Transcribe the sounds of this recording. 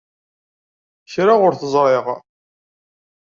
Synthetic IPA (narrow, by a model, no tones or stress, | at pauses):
çɾaʁʊɾθəzˤɾˤɪʁ